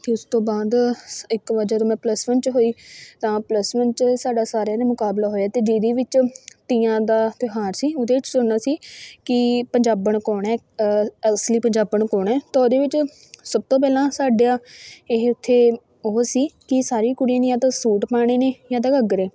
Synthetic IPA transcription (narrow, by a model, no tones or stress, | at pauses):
t̪eːʊst̪õːbaːd̪ɪkʋəd͡ʒaːt̪oːmɛ̃ːpləsmənt͡ʃɦoːiːt̪ãːpləsmənt͡ʃsaːɖaːsaːɾãːd̪eːmʊkaːblaːɦoːjaːt̪eːd͡ʒiːd̪iːʋɪt͡ʃt̪iːãːd̪aːt̪ɪɦaːɾsiːʊd̪eːʋɪt͡ʃsʊnaːsiːkɪpəɲd͡ʒaːbəɳkoːɳɛː | əsliːpəɲd͡ʒaːbəɳkɔːɳɛːt̪ãːoːd̪eːʋɪt͡ʃ | səb̚t̪õːp̬ɛːlãːsaːɖejãːɪɦʊt̪ʰːeː | oːsiːkɪsaːɾiːkʊɽijãːniːãːt̪aːsuːʈpaːɽ̃eːneːjãːd̪aːɡəɡɾeː